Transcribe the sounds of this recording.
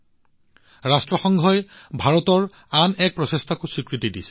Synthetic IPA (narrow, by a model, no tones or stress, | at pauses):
ɹastɹɔxɔŋɡʱɔjbʱaɹɔtɔɹ | anɛk̚pɹɔsestʰakusikɹitidisɛ̥